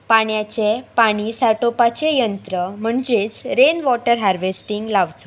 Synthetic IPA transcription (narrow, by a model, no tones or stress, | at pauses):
paɳjat͡ɕepaɽ̃isaʈopat͡ɕejənt̪ɾəm̤əɳd͡ʑet͡sɾenʋɔʈəɾɦaɾʋesʈiŋɡlaʋt͡so